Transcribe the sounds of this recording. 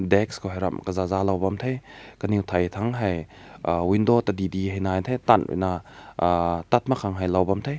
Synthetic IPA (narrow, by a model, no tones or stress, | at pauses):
dekskʰowɦajɾa̰mkɐzazalawbamtʰajkɐniwtʰajtʰaŋɦajwindotadidiɦajnajntʰajtanwḭna | tat̚makʰaŋɦajlawbamtʰaj